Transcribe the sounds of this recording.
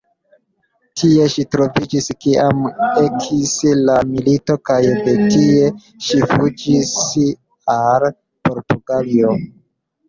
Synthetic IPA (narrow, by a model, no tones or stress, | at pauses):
tʰie̞ʃitɾo̞vid͡ʒiskiame̞kʰislamilito̞kajde̞tie̞ | ʃifud͡ʒis | al | po̞ɾtuɡalio